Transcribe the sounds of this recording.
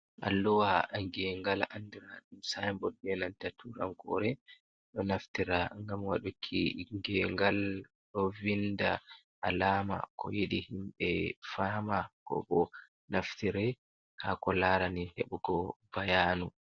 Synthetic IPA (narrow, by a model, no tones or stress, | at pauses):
ʔa̰lːuwaŋɡɛŋɡalandiɾaɗumsajmbɔdɛnantatʰuɾa̰mkɔ̰ɾɛ | ɗɔnaftiɾaŋɡamwaɗukʰːḭŋɡɛŋɡal | ɗɔvinda | ʔalaːma̰kʰɔ̰jeɗihimɓɛfaːmakɔ̰ɓɔ | naftiɾɛ | hakɔlaɾanihḛɓuɡɔbajanu